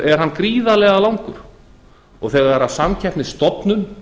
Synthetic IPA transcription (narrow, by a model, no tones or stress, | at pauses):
ɛɾ̥ɦanːkɾiːðalɛɣalaːwŋkʏɾ̥ | ɔɣθɛːɣaɾasamcʰɛhpnɪst̪ɔpnʏn